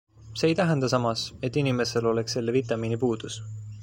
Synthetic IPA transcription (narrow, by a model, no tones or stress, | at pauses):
se̞ːjt̪æɦend̪ɑsɑmɑse̞t̪ːinime̞se̞lo̞le̞ksːe̞lːevit̪ːˑɑmiːnipuːd̪̥us